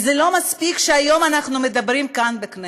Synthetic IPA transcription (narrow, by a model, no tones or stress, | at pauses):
zɛlo̞maspikʃeajo̞manaχnumed̪ɐbɾimkanbekne